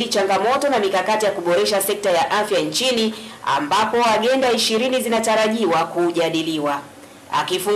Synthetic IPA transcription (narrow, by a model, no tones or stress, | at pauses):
lit͡ʃaŋɡamɔtɔnamikakatijakuɓɔɾɛʃasɛk̚tajaʔafjant͡ʃinia̰mbapɔaɠɛndaiʃiɾinizinataɾaʄiwakuːʄaɗiliwa | a̰kifuŋ